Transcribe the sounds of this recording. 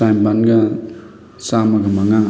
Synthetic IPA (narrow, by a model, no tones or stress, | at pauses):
ajmbanɡa | samaɡamaŋa